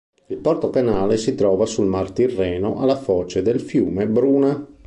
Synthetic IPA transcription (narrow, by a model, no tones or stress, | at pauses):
ilpɔrt̪openaːlesit̪ɾɔːvasulmart̪irːɛːnoʔalafɔːt͡ʃed̪elfjuːmebɾuːna